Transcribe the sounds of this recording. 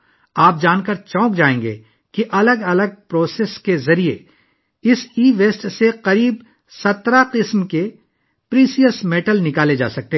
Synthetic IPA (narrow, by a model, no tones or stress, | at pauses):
aːp̚d͡ʒaːnkəɾt͡ʃɔ̃ːkd͡ʒaːẽːŋɡḛː | kiʔɐləɡɐləɡ̚pɾoːseːskezɐɾie | ɪsiːʋeːsʈseqɐɾiːb | sɐt̪ɾaqɪsmke | pɾiːsiəsmeːʈəlnɪkaːled͡ʒa̰ːsɐk̚t̪e